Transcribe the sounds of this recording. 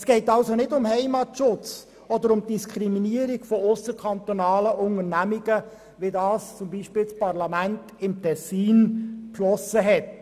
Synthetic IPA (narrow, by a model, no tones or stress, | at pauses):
sɡ̥ɛɪtɑlsonɪdʊmhɛɪmɑtʃʊt͡s | ɔd̪əɾʊmd̥iskʰχɾiminiəɾiɡfɔʊsəɾkʰɑnt̪onɑːləʔʊŋəɾnæmiɡ̥ə | ʋidɑːst͡sʊmbiʃpɪːlt͡spɑɾlɑmænt | ɪmtʰɛsiːnpʃlɔsəɦɛt